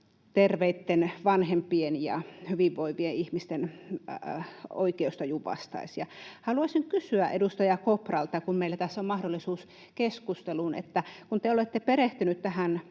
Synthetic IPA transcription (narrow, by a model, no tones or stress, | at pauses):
t̪erʋeit̪ːenʋɑnhempienjɑ̰hyʋiʋʋoiʋieihmist̪en | o̰ikeust̪ɑjuʋɑ̰st̪ɑ̰isjɑhɑluɑsiŋkysyæʔedust̪ɑjɑkoprɑlt̪ɑkummeilːæt̪æsːommɑhdolːˑisuːs | keskust̪elunḛt̪ːækunt̪eolet̪ːepeɾeht̪ynyt̪t̪æhæn